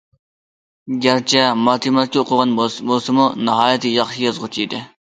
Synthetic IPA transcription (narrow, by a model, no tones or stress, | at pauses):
ɡʲæɾt͡ʃʰɛmɑt̪ʰimɛt̪̚kʲɛoqʰʊʁɑnbolˠsɨmunɨɦɑːjɛt̪ʰɨjɑχʃijɑzʁʊt͡ʃʰijd̪ɪ